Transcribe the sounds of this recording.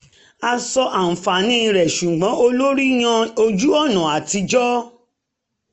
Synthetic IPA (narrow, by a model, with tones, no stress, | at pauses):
a˧sɔ˧ʔa˨n̩˨fa˨nĩ˦˧ɾɛ˨ʃu˨ɡ͡bɔ̃˨˦o˧lo˦ɾi˦j̃ã˧o˧d͡ʒu˦ɔ˦˨nã˨a˨ti˧d͡ʒɔ˦